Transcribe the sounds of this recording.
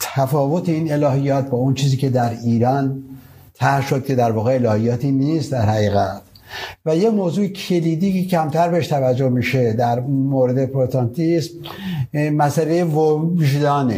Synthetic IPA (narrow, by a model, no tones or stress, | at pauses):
t̪ʰæfɒːvot̪ʰeiːnelɒːɦijɒːt̪̚bɒːont͡ʃʰiːziːke̞d̪æɾiːɾɒːn | t̪ʰæhʃod̪̚kʰʲe̞d̪æɾvɒːɣe̞elɒːhijɒːt̪ʰiːniːst̪d̪æɾhæɣiːɣæt̪ | væjemoːzuːecʰe̞liːd̪iːkecʰæmt̪ʰæɾbeeʃt̪ʰævæd͡ʒːohmiːʃe̞d̪æɾmoɾed̪epʰoɾot̪ʰɑnt̪ʰism | mæsælejevoʒd̪ɒːne